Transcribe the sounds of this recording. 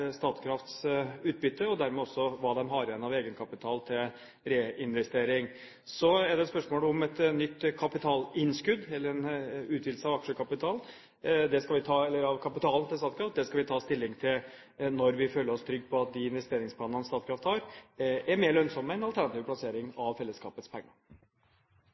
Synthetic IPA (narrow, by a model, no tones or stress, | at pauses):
st̪ɑːt̪kʰɾɑft̪sʉːt̪̚bʏt̪ːəɔd̪æɾmɛɔsːɔʋɑːd̪ɛmɦɑɾɛnːɑʋeːɡənkʰɑpɪt̪ʰɑːlt̪ʰɪl | ɾeːɪnʋɛst̪eːɾɪŋ | sɔæɖɛt̪spœʂmoːləɔmɛt̪nʏt̪ːkʰɑpɪt̪ʰɑːlɪnskʉd̪ɛlːəɾɛnʉːt̪ʰʋɪd̪̩səɑʋɑkʂəkʰɑpɪt̪ʰɑːln | d̪ɛskɑlʋɪt̪ʰɑːɛlːəɾɑʋkʰɑpɪt̪ʰɑːln̩t̪ɪlst̪ɑːt̪kɾɑft̪̚d̪ɛskɑlʋɪt̪ʰɑːst̪ʰɪlːɪŋt̪ʰɪl | nɔɾʋɪføːlːəɾɔst̪ʰɾʏɡ̚pʰɔɑt̪̚d̪ɪɪnʋɛst̪eːɾɪŋspʰlɑːnɑnst̪ɑːt̪kʰɾɑft̪hɑɾæɾmeːɾɭœnsɔmːæɪnɑlt̪ʰæɳnɑt̪iːʋpʰlɑseːɾɪŋɑʋfɛlːəskɑːpət̪spʰɛŋːɑ